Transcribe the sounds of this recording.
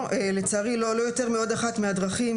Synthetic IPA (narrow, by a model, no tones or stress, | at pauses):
elet͡saʁilolo̞jo̞te̞ʁmeo̞d̪aχat̪mead̪ʁaχim